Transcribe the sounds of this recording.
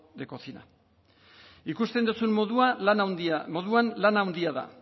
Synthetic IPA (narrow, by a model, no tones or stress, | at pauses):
d̪eko̞t͡sina̰ | ikust̪e̞nd̪usunmoðua | mo̞ðuanlanawnd̪iaða̰